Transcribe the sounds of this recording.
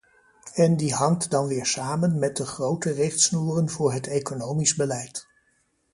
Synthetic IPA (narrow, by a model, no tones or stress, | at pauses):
ɛndiɦɑŋtdɑnʋɪːɹsaːmənmɛt̚dəχrowtərɪχtsnuːrənvʊːɹɦətejkonowmizbəlɛjt